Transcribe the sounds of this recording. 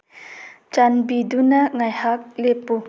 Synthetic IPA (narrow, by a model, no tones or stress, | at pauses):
t͡ʃanbidunɐŋajhak̚lepːu